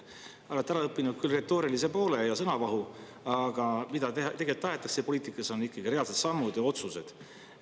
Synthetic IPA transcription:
o̞let̪ːæɾɑɤpːˑinud̪̥̚kylre̞t̪ːˑo̞ːɾilise̞po̞ːle̞jɑsɤnɑvɑɦu | ɑɡ̥ɑmid̪̥ɑt̪e̞ɡ̥e̞lt̪ːɑɦe̞t̪ːˑɑksepo̞liːt̪ˑikːˑɑso̞nːikːˑɑɡ̥ireɑlse̞d̪̥sɑmːud̪̥jɑo̞t̪suse̞d̪̥

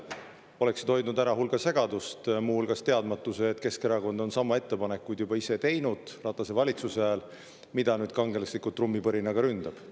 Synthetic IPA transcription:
o̞le̞ksit̪ho̞jd̪nud̪æɾɑɦulɡ̥ɑse̞ɡ̥ɑd̪ust̪muːhulɡ̥ɑst̪eɑd̪̥mɑt̪ːˑuseːt̪ke̞skeɾɑko̞nd̪̥o̞nsɑmɑe̞t̪ːe̞pɑnekːujd̪̥jubɑise̞t̪e̞jnud̪̥rɑt̪ːˑɑse̞vɑlʲit̪suseæːl | mid̪̥ɑnyːd̪̥kɑŋɡ̥e̞leslikult̪ːrumːipɤɾinɑɡɑɾynd̪̥ɑb̥

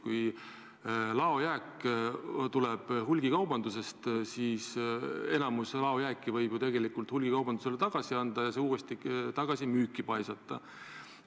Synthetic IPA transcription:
kuj | lɑo̞jæːk | t̪uleb̥ɦulʲɡ̥ikɑwbɑnd̪use̞st̪siːse̞nɑmuslɑo̞jæːkˑːivɤjb̥ut̪e̞ɡe̞likːˑult̪hulʲɡ̥ikɑwbɑnd̪̥use̞let̪ɑɡ̥ɑsiɑnd̪̥ɑjɑseuːest̪it̪ɑɡ̥ɑsimyːkːˑipɑjsɑt̪ːˑɑ

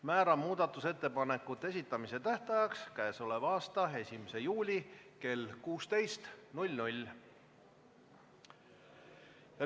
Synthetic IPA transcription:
mæːɾɑmuːd̪̥ɑt̪ːˑuse̞t̪ːe̞pɑne̞kːˑut̪ːˑe̞s̬ʲit̪ːˑɑmise̞t̪æht̪ɑjɑkskæeso̞le̞vɑːst̪ɑe̞sʲimese̞juːlʲike̞lkuːst̪e̞jst̪nulʲnulʲ | ɑ

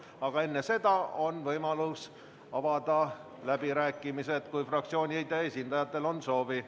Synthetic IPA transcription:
ɑɡ̥ɑe̞nːe̞se̞d̪̥ɑo̞nvɤjmɑlus | ɑvɑd̪̥ɑ | læb̥iɾæːkːˑimise̞d̪̥kujfrɑk̚t̪sio̞ːnʲiejd̪eesʲind̪ɑjɑt̪ːˑe̞lo̞nso̞ːvi

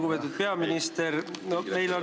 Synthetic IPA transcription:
ɡupe̞t̪ːˑud̪̥̚pe̞ɑminist̪e̞ɾnome̞jlo̞n

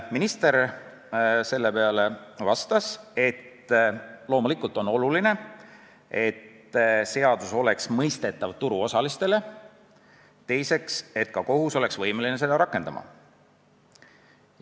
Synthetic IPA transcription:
minist̪e̞ɾ | se̞lːe̞pe̞ɑle̞vɑst̪ɑse̞t̪ | lo̞ːmulikˑult̪ːˑo̞no̞luline̞ | e̞t̪ | se̞ɑd̪̥uso̞le̞ksmɤjst̪e̞t̪ːˑɑvt̪uɾuo̞sɑlist̪e̞le̞ | t̪e̞jse̞kse̞t̪kɑko̞ɦuso̞le̞ksvɤjmeline̞se̞d̪ɑɾɑkːˑe̞nd̪ɑ̰mɑ̰

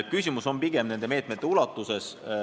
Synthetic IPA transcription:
t̪̚kysʲimuso̞mpiɡ̥e̞mne̞nd̪eme̞ːt̪ˑmet̪ːeulɑt̪ːˑuse̞s

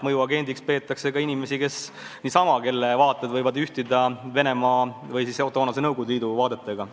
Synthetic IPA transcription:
mɤjuɑɡe̞nʲd̪ikspe̞ːt̪ːˑɑkse̞kɑinʲime̞sike̞s | niːsɑmɑke̞lːevɑːt̪ˑːed̪vɤjvɑd̪yht̪id̪ɑve̞ne̞mɑːvɯjsiso̞t̪ːˑo̞ːnɑsenɤwɡud̪liːd̪uvɑːd̪e̞t̪ːˑeɡ̥ɑ

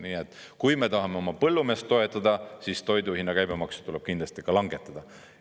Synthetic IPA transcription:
niːet̪ːˑ | kujme̞t̪ɑɦɑme̞o̞mɑpɤlːume̞ːst̪ːo̞e̞t̪ˑːɑd̪̥ɑsist̪o̞jd̪uhinːɑkæjb̥emɑksu̥t̪ule̞b̥kind̪lɑst̪ikɑlɑŋɡ̥e̞t̪ːˑɑd̪̥ɑ

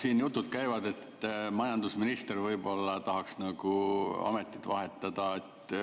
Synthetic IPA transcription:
siːnjut̪ˑːud̪̥̚kæjvɑd̪e̞t̪ːmɑjɑnd̪usminist̪ervɤjbo̞lːɑt̪ɑɦɑksnɑɡ̥uɑ̰me̞t̪ːˑi̥t̪ːvɑɦe̞t̪ːˑɑd̪̥ɑet̪ːˑ

